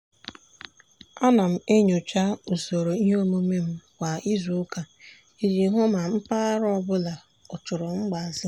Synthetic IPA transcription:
a˦na˨m̩˨e˦ɲo˨t͡ʃa˦u˨so˨ɾo˨i˦ɦo˦mo˦me˦m̩˦kʷa˨i˦zo˦ka˨ | i˦d͡ʒi˨˦ɦʊ˦ma˨m̩˦pa˦ɾɔ˦˨bʊ˦la˨ | ɔ˨t͡ʃʊ˨ɾɔ˨ŋ͡m̩˦ɡ͡ba˨zɪ˦

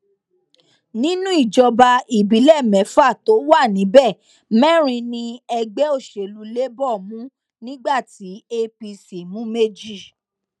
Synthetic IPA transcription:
nĩ˦nũ˦i˦˨d͡ʒɔ˧ba˧i˨bi˨˦lɛ˦˨mɛ̃˨˦fa˦˨to˨˦wa˦˨nĩ˨˦bɛ˦˨ | mɛ˦˨ɾ̃ĩ˧nĩ˧ɛ˧ɡ͡bɛ˨˦o˦˨ʃe˨lu˨˦le˦bɔ˦˨mũ˦ | nĩ˦ɡ͡ba˦˨ti˨˦e˧pi˧si˨mũ˦me˦d͡ʒi˦˨

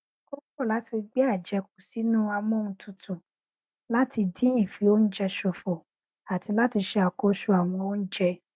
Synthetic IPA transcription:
ko˦kɔ˦˨la˨˦ti˧ɡ͡bɛ˦a˦˨d͡ʒɛ˧k̚u˨si˨˦nũ˦a˧mɔ̃˦nũ˧tʰũ˧tũ˨ | la˦ti˧dĩ˦ĩ˦˨fi˨˦o˦n̩˦d͡ʒɛ˧ʃɔ˧˨fɔ˨ | a˨ti˧la˦ti˧ʃɛ˧a˨kɔ˧ʃu˧˦a˨w̃ɔ̃˧o˦n̩˦d͡ʒɛ˧

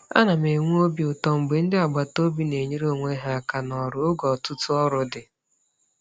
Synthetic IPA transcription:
a̰˦na˨m˨e˨ŋʷu˦o˦bi˦ʊ˨tɔ˦m̩˨ɡ͡be˨n̩˦dɪ˦a˨ɡ͡ba˨to˦bi˦ne˨ɲe˦ɾo˦˨ŋʷe˦ɦa˦a˨ka˨nɔ˨ɾʊ˨ʊ˦ɡɔ˨tʊ˦tʊ˦ɔ˦ɾʊ˨dɪ˨

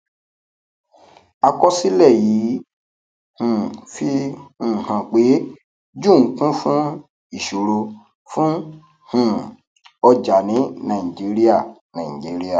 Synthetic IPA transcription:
a˧kɔ˦si˦lɛ˦˨ji˨˦ | hũ˨fĩ˦˨hã˨k͡pe˨˦ | d͡ʒũ˦˨ŋ̩˦kũ˦fũ˦ | i˦˨ʃo˨ɾo˧ | fũ˦ | hũ˦˨ | ɔ˧d͡ʒa˨nĩ˨˦nã˨i˨d͡ʒi˨˦ɾi˦a˦˨nã̰˨d͡ʒi˨˦ɾi˦a˦˨

